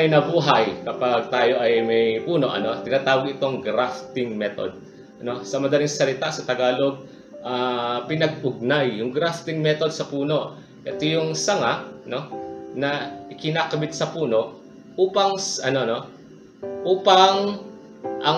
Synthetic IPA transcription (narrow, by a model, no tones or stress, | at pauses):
ɐjnɐbuːɦɐjkɐpaɡ̚t̪aːjo̞ʔɐjmɐjpuːno̞ʔɐ̰no̞t̪ɪnaːt̪aːwɐɡɪt̪o̞ŋɡɾaft̪ɪŋmɛt̪o̞̰d̪̚ | ʔɐno̞sɐmɐd̪ɐlɪŋsɐlɪt̪asɐt̪ɐɡaːlo̞ɡ̚ | ʔapɪnɐɡ̚ʔʊɡ̚najːʊŋɡɾaft̪ɪŋmɛt̪o̞d̪sɐpuːno̞ʔ | ʔɐt̪ojʊŋsɐŋaʔno̞nɐʔɪkɪnakɐbɪt̪̚sɐpuːno̞ʔ | ʔuːpɐŋɐno̞no̞ | ʔuːpɐŋ | ʔɐ